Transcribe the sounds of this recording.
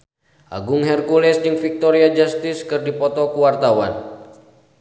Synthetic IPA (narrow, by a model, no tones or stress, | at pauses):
ʔa̰ɡuŋɦɛrkulɛsd͡ʒɨŋfik̚t̪ɔɾiad͡ʒast̪iskɨrdipɔt̪ɔkuwart̪awa̰n